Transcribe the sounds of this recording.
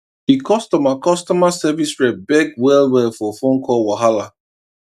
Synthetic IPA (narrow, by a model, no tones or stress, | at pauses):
hikʰɔstɔmakɔstɔmasɛvisɹɛbɛɡwɛlwɛlfɔfõnkʰɔlwaɦala